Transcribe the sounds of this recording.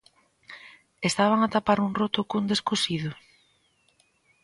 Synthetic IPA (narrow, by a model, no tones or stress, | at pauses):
est̪aβ̞aŋat̪apaɾuŋrot̪ʊkund̪eskosiðʊ